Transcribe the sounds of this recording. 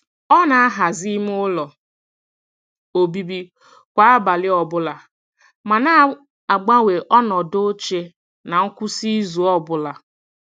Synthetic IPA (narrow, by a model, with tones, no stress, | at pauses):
ɔ˦na˨a˦ɦa˨zi˦m˦ʊ˦lɔ˨ | o˨bi˦bi˦ | kʷa˨a˦ba˨lɪ˦ɔ˨bʊ˦la˨ | ma˨na˦ | a˨ɡ͡ba˦we˨ʔɔ˦nɔ˨do˦t͡ʃe˦ | na˨ŋ̩˦kʷu˦si˦zu˨ɔ˦bʊ˦la˨